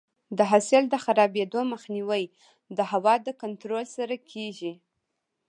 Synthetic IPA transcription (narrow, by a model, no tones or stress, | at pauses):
d̪əɦasɪld̪əxaɾɑbed̪oməxniwəj | d̪əhawɑd̪əkant̪ɾolsaɾakʰeʒi